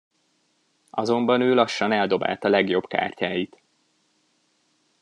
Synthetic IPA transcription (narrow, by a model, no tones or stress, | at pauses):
ɒzo̞mbɒnøːlɒʃːɒnɛld̪o̞ba̰ːlt̪ɒlɛɡjo̞bka̰ːrcaːjit̪